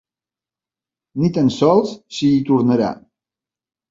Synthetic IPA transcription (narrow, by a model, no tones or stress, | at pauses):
nit̪ənsɔlˠssiːt̪uɾnəɾa̰